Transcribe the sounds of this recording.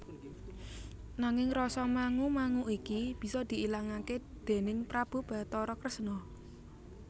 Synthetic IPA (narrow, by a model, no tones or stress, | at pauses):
naŋɪŋrɔsɔmaŋumaŋuʔikib̥i̤sɔd̪̥i̤ʔilaŋaked̪̥e̤nɪŋpɾab̥ṳb̥a̤t̪ɔɾɔkɾəsnɔ